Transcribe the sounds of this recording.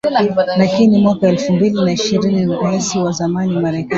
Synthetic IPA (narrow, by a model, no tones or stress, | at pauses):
lakinimwakaɛlfumbilinaiʃiɾiniɛsiwazamanimaɾɛka